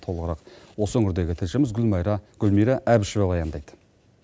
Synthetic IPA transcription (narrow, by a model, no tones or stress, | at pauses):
t̪ʰo̞lˠəʁəɾɑqwo̞səɵŋʲɪɾd̪e̞ɡʲɪt̪ʰɪlʃɪmɪzɡʲʏlmɑjɾɑɡ̥ʲʏlmijɾɑʔæbɪʃɪvelˠɑjɑnd̪ɑjd̪̥ə̥